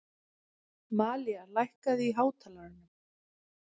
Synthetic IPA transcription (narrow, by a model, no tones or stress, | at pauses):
maːlialajhkaðɪiɦaːwt̪ʰaːlaɾɪnʏm